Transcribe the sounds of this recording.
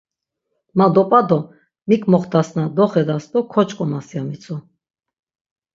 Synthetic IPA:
mad̪ɔpʼad̪ɔ | mikʼmɔχt̪asnad̪ɔχɛd̪ast̪ʼɔkʰɔt͡ʃʼkʼɔmasjamit͡sʰɔ

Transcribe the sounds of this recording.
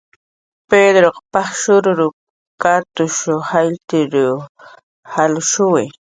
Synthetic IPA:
ped̪ɾoqɑ̥paχʃʊɾʊɾʊ | kat̪ʊʃohajt̪ɪɾʊ | halʊʃʊwɪ

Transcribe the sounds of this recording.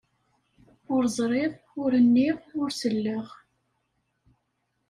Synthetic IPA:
ʊɾzˤɾˤɪðˤ | ʊɾənːiʁʊɾsəlːəʁ

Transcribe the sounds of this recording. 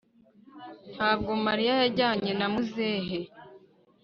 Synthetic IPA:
n̥haːb̚ɡo̞maɾijajaɟaːɲe̞namuzeːɦe

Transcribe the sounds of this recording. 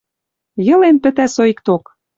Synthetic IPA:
jɤ̆lenpɘ̆t̪æsoikt̪ok

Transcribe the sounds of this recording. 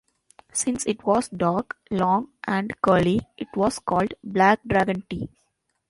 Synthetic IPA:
sɪ̃nsɪʈʋɔːzɖaːɾklɔ̃ːŋʔæ̃ɳɖkəːliʔɪʈʋɔːzkɔːlɖblæk̚ɖɾæɡə̃nʈiː

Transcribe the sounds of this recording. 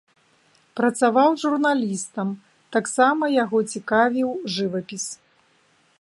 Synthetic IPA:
pɾɐt̪savawʐurnalʲist̪ɐm | t̪aksamɐjaɣɔt͡sʲikavʲiwʐɨvɐpʲis

